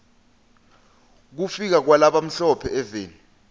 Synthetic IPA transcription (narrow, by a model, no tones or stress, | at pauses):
k̬ufik̬ak̬walaɓam̩ɬɔpʰɛɛveːn